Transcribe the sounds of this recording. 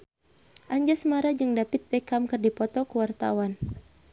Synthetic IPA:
ʔaɲd͡ʒasəmaɾad͡ʒɨŋdapit̪̚bɛkamkɨrdipɔt̪ɔkəwart̪a̰wan

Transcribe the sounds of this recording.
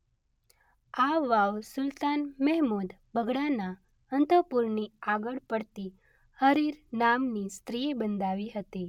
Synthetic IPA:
aʋaʋsʊlt̪anmɛɦmud̪bʱəɡɽana | ənt̪əpuɾniaɡəɭpəɽt̪i | həɾiɾnamnist̪ɾiebənd̪ʱaʋiɦət̪i

